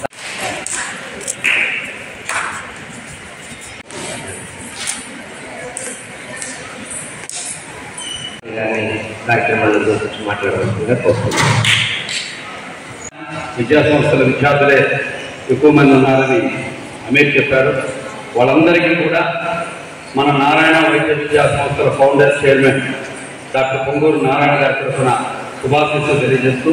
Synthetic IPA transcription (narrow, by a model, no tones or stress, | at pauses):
ɡaːnid̪aːkːemɐnɐd͡ʒoːsiɲt͡ʃimaːʈlaːɽʋɐsueːt̪ɐst̪uni | ʋid͡ʒjaːsɐmst̪ɐlɐʋit͡ʃaːt̪ɐleː | ekːuʋɐmɐnd̪ɐnaːlɐni | ɐmeːkt͡ʃɛpːaːɾu | ʋaːɭːɐnd̪ɐɾikiːkuːɽaː | mɐnɐnaːɾaːjɐɳɐʋɐd͡ʒːɐʋid͡ʒjaːsɐmst̪ɐlɐpʰɐwɳɖeɾsʈeːɾmeɳʈ | d̪aːʈːɐpoŋɡoːɾunaːɾaːjɳɐɡaːɾt̪ɐɾpunɐ | subʱaːt̪esut̪elijɐd͡ʒeːst̪uː